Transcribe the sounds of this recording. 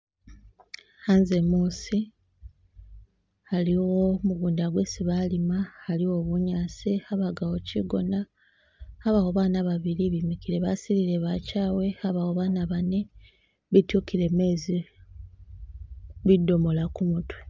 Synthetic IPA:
hanzemuːsi | haliwo̞muɡuːndaɡwe̞siβalimahaliwo̞βuɲaːsiaβaɡawo̞ciɡo̞̰naː | βawoβaːnaβaβiɾiβimikiɾeβasiɾiɾe̞βacaːwe̞aβawoβaːnaβane̞ | βitukiɾe̞me̞ːzi | βidːo̞mo̞lakumutwe

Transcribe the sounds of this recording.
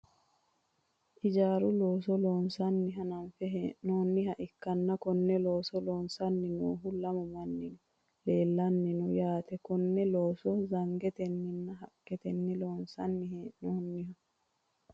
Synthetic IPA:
ʔɪd͡ʒaːɾʊloːsɔloːnsɐnːɪɦɐnɐmfɛɦɛnoːnːɪɦɐʔɪkːɐnːɐkɔnːɛlo̞ːsɔloːnsɐnːɪnuːɦʊlɐmɔmɐnːɪn | leːlːɐnːɪnɔjaːt̪ɛkɔnːɛloːsɔzɐŋɡɛt̪ɛnːɪnːɐɦɐkːɛt̪ɛnːɪloːnsɐnːɪɦɛnoːnːɪhɐ

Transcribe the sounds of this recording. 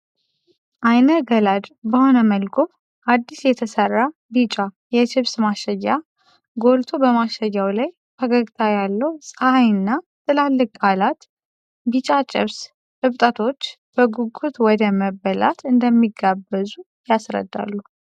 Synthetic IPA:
ʔajnəɡəlad̪bəhonəməlɡʰʼom | ʔad̪ːisjɛt̪ʰəsərːa | bit͡ʃʼa | jɛʃɪβsmaʃəjːa | ɡo̞lt̪ʰo̞bəmaʃəjːawlaj | hʰəɡəɡt̪ʰajalːəwsʼəhajɨnːa | t̪ʰʼɨlalːɨkʼalat̪ | bit͡ʃʼat͡ʃʼɪ̰βs | ɨβt̪ʼət̪ʰo̞t͡ʃː | b̥əɡuɡut̪wɔd̪əməbːəla̰t̪ʰɨnd̪əmːiɡːabːəzu | jasɾə̰d̪ːa̰lːu

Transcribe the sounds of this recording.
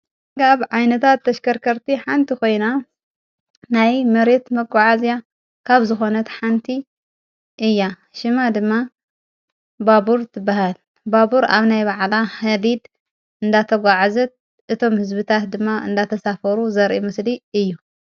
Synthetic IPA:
kaβʕajnɐt̪ʰat̪ːɐʃkɐɾkʰɐɾt̪ʰiħant̪ʰiko̞jna | najmɐɾe̞t̪mɐɡʷaʕazja | kʰaβzɨxo̞nɐt̪ħant̪ʰi | ʔɨjːa | ʃɨmad̪ɨmːa | babuɾt̪ʰɨbːahal | babuɾa̰βnajbaʕlahɐlid̪ | ɨnd̪at̪ʰɐɡʷaʕazɐt̪̚ | ʔɨt̪ʰo̞mhɨzbɨt̪ʰat̪̚d̪ɨmːaɨnd̪at̪ʰɐsafɐɾuzɐɾʔimɨsliɨjːu

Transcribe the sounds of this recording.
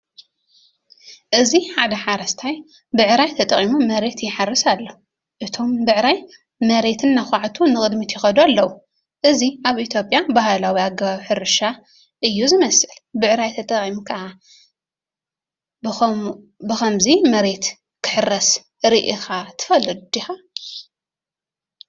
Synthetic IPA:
ʔɨziħad̪ɐħaɾɐst̪ʰaj | bɨʕɾajt̪ʰɐt̪ʼɐχʼimumɐɾe̞t̪jɪħarːɨsalːɐ | ʔɨt̪ʰo̞mbɨʕɾaj | mɐɾe̞t̪ʰɨnːaxʷaʕt̪ʰunɨkʼɨd̪mit̪ʰjɪxɐd̪ualːɐwu | ʔɨziaβʔit̪ʰjo̞pʼjabahlawiaɡɐβaβħɨɾɨʃa | ʔɨjːuzɨmɐsʔɨlbɨʕɾajt̪ʰɐt̪ʼɐχʼimkʰɐʔa | bɨxɐmzimɐɾe̞t̪ | kʰɨ̥ħɨrːɐs | ɾiʔixat̪ʰɨ̥fɐlɨd̪d̪ixa

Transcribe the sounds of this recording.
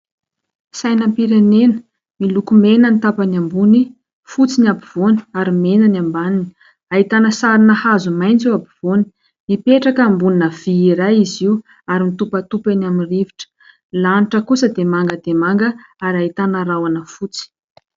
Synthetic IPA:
sajnampiɾenenə̥ | milukumenənit̪apanambuni | fut͡sinabiv̥oni̥aɾimenanambanini̥ | aɦit̪anəsaɾinəhazumajnt͡siwabiv̥oni̥ | mipeʈ͡ʂakambuninəv̥iiɾajiziu | aɾimnit̪upət̪upenaminriviʈ͡ʂə̥ | laniʈ͡ʂəkusəd̪emaŋɡəd̪emaŋɡəaɾaɦit̪anəɾawanəfut͡si̥

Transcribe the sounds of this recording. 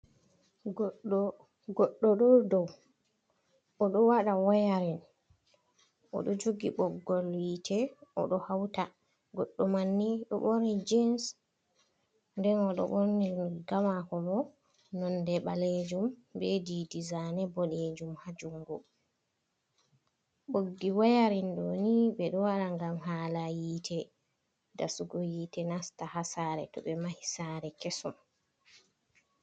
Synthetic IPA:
ɡɔɗːɔɗɔdɔw | ʔɔɗɔwaɗawɔjaɾɛn | ʔɔ̰ɗɔd͡ʒoɡiɓɔɡɔlwitʰɛɔ̰ɗɔhawta | ɡɔɗːɔmanːiɗɔ̰ɓoɾnid͡ʒɛns | ndɛnɔɗɔ̰ɓɔɾniɡamakɔbɔ | nɔndɛɓaled͡ʒumbedidizanɛbɔɗed͡ʒumhad͡ʒuŋɡɔ | ɓoɡːiwajaɾindoniɓɛɗɔwaɾaŋɡamɦalajiːtʰɛ | dasuɡɔjiːtɛnastahasaɾɛ̰tɔ̰ɓɛmahisaɾɛkesɔm

